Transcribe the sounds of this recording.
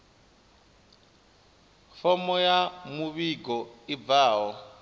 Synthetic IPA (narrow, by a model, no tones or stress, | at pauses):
fɔmɔjamuβiɡɔib̪vaːɦɔ